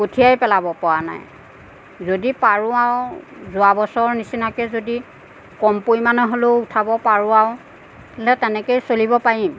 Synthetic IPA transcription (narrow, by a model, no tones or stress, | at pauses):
kotʰijajpɛlabɔpɔɹana̰j | zodipaɹʊaʊzʊabɔsɔɹnisinakɛzodi | kɔmpojmanɛɦoloutʰabɔpaɹʊaʊ | ɛlɛtɛnɛkejsolibɔpaɹim